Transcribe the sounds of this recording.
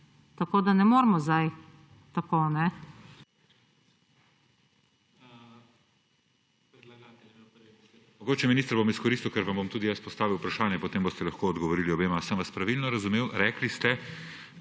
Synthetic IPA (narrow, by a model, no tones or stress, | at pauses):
t̪ɐkoːd̪anɛmoːɾmɔzd̪aj | t̪akoːnɛ | pɛd̪laɡat̪ | mɔɡoːt͡ʃɛminist̪ɾbomiskɔɾist̪iuwkɛɾʋambomt̪uːd̪ijaspɔst̪aːʋiwupɾaʃaːnjɛpɔt̪eːmbost̪ɛlɐxkoːd̪ɡɔʋɔɾiːliɔbeːmasənʋɐspɾaʋilnɔɾɐzumeːwɾɛːklist̪ɛ